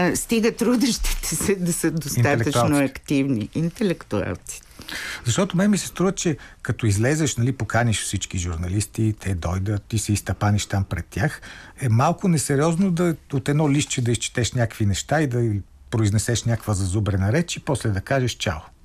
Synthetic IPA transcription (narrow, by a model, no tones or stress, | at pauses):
st̪iɡət̪ɾud̪əʃt̪i̥t̪ɛ̥sɛd̪ɐsəd̪ostinaɛlɛk̪t̪ət̪uanoɐkt̪ivniʔint̪ɛlɛkt̪ua̰lˠt̪si̥ | zɐʃt̪ɔt̪omɛmisɛ̥st̪ɾuvət͡ʃɛkɐt̪ɔizlɛzɛʃnɐlipokaniʃfsit͡ʃkiʒuɾnɐlist̪it̪ʰɛd̪ɔjd̪ət̪isɛist̪ɐpaniʃt̪ampɾɛt̪ʲːjaxɛmalˠkʊnɛsɛɾiɔznod̪ɐot̪ɛd̪nɔliʃt͡ʃɛd̪ɐist͡ʃɛ̥t̪ɛʃnʲakəkvinɛʃt̪aid̪ɐ | pɾoiznɛsɛʃnʲjakvəzɐzubɾɛnɐɾɛt͡ʃipɔslɛd̪ɐkaʒɛʃt͡ʃa̰lˠo